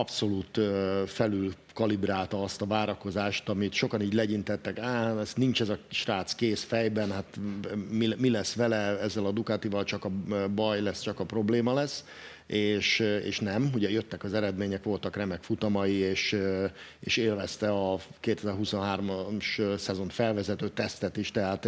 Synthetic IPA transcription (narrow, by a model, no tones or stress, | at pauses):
ɒpso̞luːt̪øfɛlyl | kɒlibɾaːlt̪ɒɒst̪ɒvaːɾɒko̞zaːʃt̪ɒmit̪ʃo̞kɒniːɟlɛɟint̪ɛt̪ːɛkaːɛsnint͡ʃɛzɒʃraːt̪skeːsfɛjbɛnhat̪mimilɛsːʋɛlɛɛzːɛlɒd̪ukaːt̪ivɒlt͡ʃɒkɒbɒjlɛst͡ʃɒkɒpro̞bleːmɒlɛsː | ʔeːʃḛːʃnɛmɦuɟɛjøt̪ːɛkɒzɛɾɛd̪meːɲɛkʋo̞lt̪ɒkrɛmɛkfut̪ɒmɒjieːʃ | ḛːʃeːlvɛst̪ɛɒkeːt̪ɛzɛrɦuso̞nɦaːrmmʃsɛzo̞nt̪fɛlvɛzɛt̪øːt̪ɛst̪ɛt̪iʃt̪ɛɦaːt̪